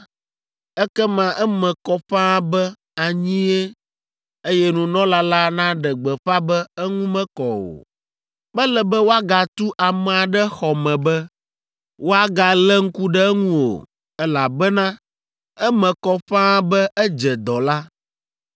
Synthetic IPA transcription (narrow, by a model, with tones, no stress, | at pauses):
ɛ˦kɛ˦mã˨ʔɛ˦mɛ̃˨kɔ˦ɸã˦bɛ˦ | a˨ɲĩ˦e˦ | e˦jɛ˦nũ˨nɔ̃˦la˦la˦nã˦ɖɛ˨ɡ͡bɛ˨ɸa˦bɛ˦ɛ˦ŋũ˦mɛ̃˦kɔ˨wo̰˨ | bɛ˦lɛ˨bɛ˦wo˦a˦ɡa˨t̪u˦ʔa˨mɛ̃˨a˨ɖɛ˦xɔ˨mɛ̃˨bɛ˦ | wo˦a˦ɡa˨lɛ˦ŋ̩˦ku˦ɖɛ˦ŋũ˦o̰˨ | ɛ˦la˨bɛ˦nã˦ | ɛ˦mɛ̃˨kɔ˦ɸã˦bɛ˦ɛ˦d͡ʒɛ˨d̪ɔ˨la˦